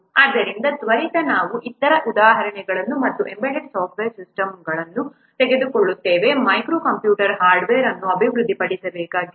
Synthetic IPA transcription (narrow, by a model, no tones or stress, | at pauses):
aːd̪ːɐɾind̪ɐt̪ʋɐɾit̪ɐnaːʋuʔit̪ːɐɾɐʔud̪aːɦɐɾɐɳɛɡɐɭɐnːumɐt̪ːuʔembeleʈsaːpʋeːɾsisʈɐmɡɐɭɐnːu | t̪eɡe̞d̪ukoɭːut̪ːeːʋe̞mɐjkɾoːkɐmpjuːʈɐɾɦaːɾɖʋeːɾɐnːuɐbʱiʋɾud̪ʱːipɐɽisɐbeːkaːɡi